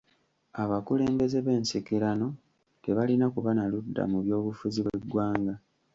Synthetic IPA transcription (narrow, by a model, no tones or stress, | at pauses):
aβakule̞ːmbe̞ze̞βe̞ːnsikiɾano̞ | te̞βalinakuβanaludːa̰muβjo̞ːβufuziβwe̞ɡwaːŋɡa